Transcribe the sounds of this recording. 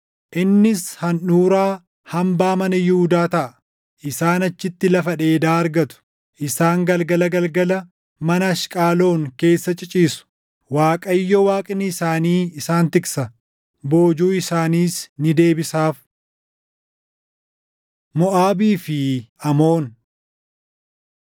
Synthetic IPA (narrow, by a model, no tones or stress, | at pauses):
ʔɪnːɪshɐnuːɾaː | hɐmbaːmɐnɐjʊud̪aːt̪ɐʔɐ | ʔɪsaːnɐt͡ʃːɪt̪ːɪlɐfɐᶑe̞ːd̪aːɐɾɡɐt̪ʊ̥ | ʔɪsaːŋɡɐlɡɐlɐɡɐlɡɐlɐ | mɐnɐːʃkʼaːlo̞ːŋke̞ːsːɐt͡ʃʼɪt͡ʃʼiːsʊ̥ | waːkʼɐjːɔwaːkʼɪnːɪɪsaːniːɪsaːnt̪ɪksɐ | bo̞ːd͡ʒuːɪsaːniːsnɪd̪e̞ːbɪsaːf | mɔʔaːbiːfɪɐmo̞ːn